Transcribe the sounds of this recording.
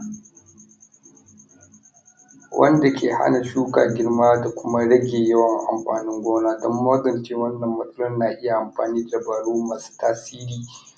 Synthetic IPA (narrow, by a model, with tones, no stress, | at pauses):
wʔɐ̰˦nda˨kʲʰeː˨ha̰˦na˨ʃuː˦ka̰ː˨ɡʲɪ˦ɽmaː˦da˨kʷʊ˦ma˦ɽɐ˦ɡʲeː˨jɐ˦wɐ˨ŋʔa̰˨mɸaː˨nɪ˦ŋɡʷoː˦naː˦dɔ˦mːa˦ɡɐ˨nt͡ʃeː˦wɐ˦nːɐ˨mːɐ˨tʼʊ˦lɔ˦nnaː˨ʔɪ˦ja˨ʔa˨mɸa̰ː˨niː˦da˨bɐ˨ɽuː˦maː˨su̥ː˦taː˦siː˦ɾiː˨